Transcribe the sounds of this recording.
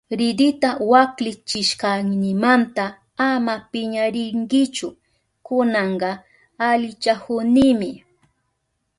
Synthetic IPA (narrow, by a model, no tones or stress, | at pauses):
ɾɪd̪ɪt̪awaklɪt͡ʃɪʃkɑŋnɪmant̪a | amapɪɲaɾɪŋɡɪt͡ʃʊ | kʊnɑɴɢɑ | alɪt͡ʃahʊnɪmɪ